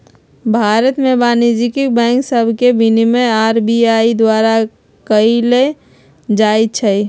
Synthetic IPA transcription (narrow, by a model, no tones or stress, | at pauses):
bʱaɾət̪mebaːnid͡ʒikibɛ̃ːŋksəbʱkebʱinimẽaːɾbiaid̪waɾa | kəile | d͡ʒajt͡ʃʰəi